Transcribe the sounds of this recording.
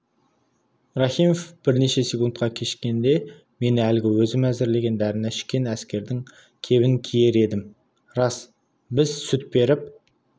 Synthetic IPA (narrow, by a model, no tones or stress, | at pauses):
ɾɑχijmofb̥ɪɾne̞ʃe̞sʲekunt̪qʰɑkʲʰe̞ʃkʲe̞nd̪e̞ | me̞nælɪɡʲɪwɵzɪmæzɪɾle̞ɡʲe̞nd̪æɾɪnæɪ̥ʃkʲe̞næskʲe̞ɾd̪ɪŋ | kʲʰe̞βɪŋkʲʰije̞ɾe̞d̪ɪm | ɾɑs | bɪzsʊt̪̚be̞ɾɪp̚